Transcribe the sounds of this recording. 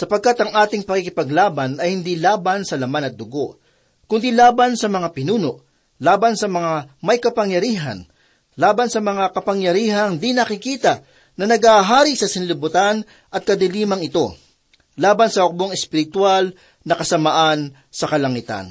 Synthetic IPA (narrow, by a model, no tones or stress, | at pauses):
sɐpɐɡ̚kat̪ɐŋʔaːt̪ɪŋpɐkikɪpɐɡlaːbɐnɐjhɪnd̪ilaːbɐnsɐlɐmanɐt̪̚d̪ʊɡo̞ʔ | kʊnd̪ilaːbɐnsɐmɐŋapɪnuːno̞ʔ | laːbɐnsɐmɐŋamɐjkɐpɐŋjɐɾiːɦɐ̰n | laːbɐnsɐmɐŋakɐpɐŋjɐɾiːhɐŋd̪inɐkɪkiːt̪ɐ | nɐnɐɡaɦaːɾisɐsɪnlɪbʊt̪an | ʔɐt̪̚kɐd̪ɪliːmɐŋɪt̪o̞ | laːbɐnsɐhʊk̚boŋɛspɪɾɪt̪wal | nɐkɐsɐmaʔan | sɐkɐlɐŋɪt̪a̰n